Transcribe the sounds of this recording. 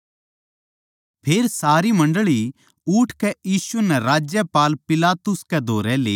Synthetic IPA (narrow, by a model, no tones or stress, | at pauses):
pʰeːɾsaːɾimɐ̃ɳɖɭi | ʊːʈʰkɛjiːsunɛ̃ɾaːd͡ʒjəpaːlpɪlaːt̪ʊskɛd̪ʱoːɾɛleː